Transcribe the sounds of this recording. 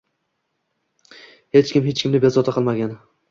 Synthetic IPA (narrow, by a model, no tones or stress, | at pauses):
het͡ʃkʲɪmɦet͡ʃkʲɪmnɪbezɒt̪ʰaqʰɨlˠmaɡʲan